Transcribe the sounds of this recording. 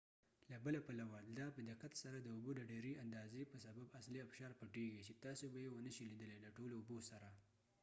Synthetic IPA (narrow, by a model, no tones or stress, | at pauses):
labəlapalawad̪ɑpəd̪ɪqat̪saɾad̪əʊbod̪əɖeɾeʔand̪ɑzepəsababasliafʃɑɾpaʈeɡit͡ʃet̪ɑsobajewənəʃilid̪əleləʈoloʊbosaɾa